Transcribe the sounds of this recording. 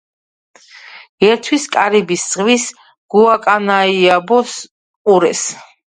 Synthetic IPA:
ɡ̥ɛɾt̪ʰwiskʼaɾibissʼʁvis | ɡ̥uakʼanaiabɔs | qʼuɾɛs

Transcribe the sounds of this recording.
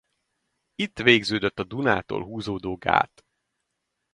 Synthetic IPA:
it̪ːʋeːɡzøːd̪øt̪ːɒd̪una̰ːt̪o̰ːlɦuːzoːd̪oːɡa̰ːt̪

